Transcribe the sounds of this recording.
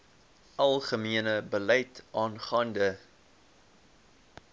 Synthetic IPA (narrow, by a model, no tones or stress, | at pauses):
ʔɐlˠχəmiənəbəlɛjtʔɑːnχɑːndə